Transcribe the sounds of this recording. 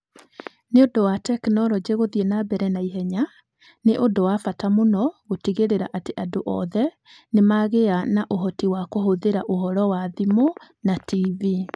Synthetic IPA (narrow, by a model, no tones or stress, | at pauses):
neodowatɛknɔɾɔd͡ʑeɣoðienabɛɾɛnaiɦɛɲa | neʔodowafatamonɔɣotiɣeɾeɾaʔateʔadoʔɔ̰ðɛ | nemaɣeanaʔoɦɔtiwakoɦoðeɾaʔohɔɾɔwaðimo | nativi